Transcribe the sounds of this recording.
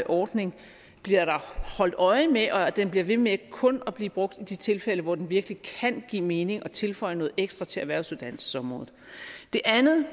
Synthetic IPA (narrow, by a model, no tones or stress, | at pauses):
ʔɒːd̥ne̝ŋ | b̥liɐɾ̥ɑ̈hɒ̽l̰d̥ɒ̽ɪəmeʔɒ̽d̥enb̥liɐʋe̝mekʰɔ̽nɒb̥liːb̥ʁɔ̽ɡ̥̚d̥id̥it͡sʰe̝lfeləʋɒd̥enʋiɐɡ̥əlikʰænɡ̥ḭːme̝ːne̝ŋɒ̽t͡sʰe̝lfɒ̽ɪ̰nɔ̽ːð̩ˠeɡ̥sd̥ʁɐt͡sʰe̝æʋæɐʊ̰suðˠd̥æn̰sə̥sɒ̽mʁɔ̽ːð̩ˠd̥e̝ʔænð̩ˠ